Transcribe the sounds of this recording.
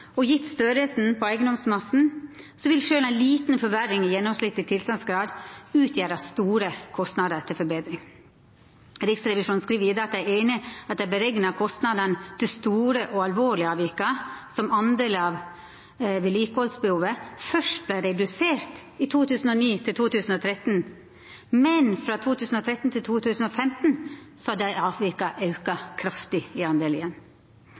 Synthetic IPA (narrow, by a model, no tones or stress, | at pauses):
ɔjɪt̪ːst̪øɾəsn̩pʰɔæɪɡənd̪ɔmsmɑsn̩ | sɔʋɪlʃøːlæɪnliːt̪n̩fɔɾʋæɾːɪŋɪjɛnːɔmslɪt̪ːɪt̪ʰɪlst̪ɑnsɡɾɑːd̪ʉːt̪ʰjæːɾɑst̪uːɾəkʰɔst̪nɑd̪əɾt̪ʰɪlfɔɾbeːd̪ɾɪŋ | ɾɪksɾɛʋɪʂuːnskɾiːʋəjɪd̪ɑɑt̪jæeɪnɪɑt̪d̪æbəɾɛɡnɑkʰɔst̪nɑd̪ənt̪ʰɪst̪uːɾəʔɔɑlʋoːɭɪəɑːʋɪkəsɔmɑnd̪eːlɑʋ | ʋɪliːkəhɔlsbəhuːʋəfœʂʈblæɪɾɛd̪ʉseːɾt̪ | ɪt̪ʰuːt̪ʰʉːsn̩ɔniːt̪ʰɪlt̪ʰuːt̪ʰʉːsn̩ɔt̪ʰɾɛt̪n̩ | mɛnfɾɑt̪ʰuːt̪ʰʉːsn̩ɔt̪ʰɾɛt̪n̩t̪ʰɪlt̪ʰuːt̪ʰʉːsn̩ɔfɛmt̪n̩sɔhɑd̪æɪʔɑːʋɪkɑʔɑʉkɑkʰɾɑft̪ɪɪɑnd̪eːlɪjɛn